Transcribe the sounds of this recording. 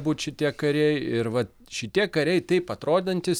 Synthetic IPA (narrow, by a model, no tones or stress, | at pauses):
buːt̪ʲʃʲɪt̪ʲiɛkɐɾʲɛjɪɾʋɐt | ʃʲɪt̪ʲiɛkɐɾʲɛɪt̪ɐɪpɐt̪ɾoːd̪ʲnɐnʲt̪ʲɪs